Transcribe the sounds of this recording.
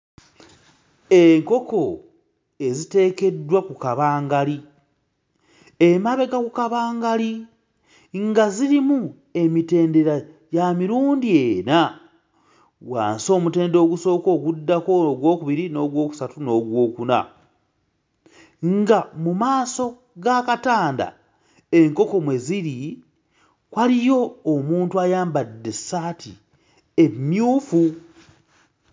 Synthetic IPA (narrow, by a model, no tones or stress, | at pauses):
eŋko̞ko̞ | e̞zite̞ːke̞dːwakukaβaːŋɡali | emaβe̞ɡakukaβaːŋɡali | ŋɡaziɾimu | e̞mite̞ːnde̞ɾa | jamiɾuːndieːna | wa̰ːnso̞ːmute̞ːndo̞ɡuso̞ːko̞ːɡudːako̞ɡwo̞ːkuβiɾino̞ɡwo̞ːku̥satuno̞ɡwo̞ːkuna̰ | ŋɡamumaːso̞ | ɡakataːnda̰ | e̞ŋko̞ko̞mwe̞ziɾi | kwaɾijo̞ːmuːntuajaːmbadːe̞saːtʰi | emːjuːfu